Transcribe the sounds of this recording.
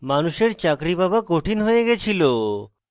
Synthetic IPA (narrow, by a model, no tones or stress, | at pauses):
manuʃeɾt͡ɕakɾibabakoʈʰinɦojeɡɛt͡ɕʰilo